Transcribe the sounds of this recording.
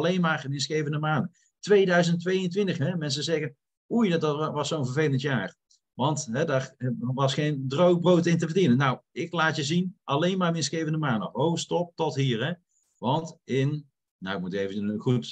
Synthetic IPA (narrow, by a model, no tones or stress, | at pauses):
ɑlejnmaːrənɪnsχejvəndəmaːndə | tʋejdœɥzəntʋejə̃ntʋɪntəχɦɛmɛns̬əzɛɣən | ujdtɑʋɑsownvəɹvejləntjaːr | ʋɑntɦɛdaːɹʋɑsχejndrow̚browtɪntəvərdinənːawɪklaːtjəzinʔɑlejnmaːənɪnsχejvəndəmaːndowstɔp̚tɔtɦiːɹɦɛ | ʋɑntɪn | nawɪk̚mutejvəχut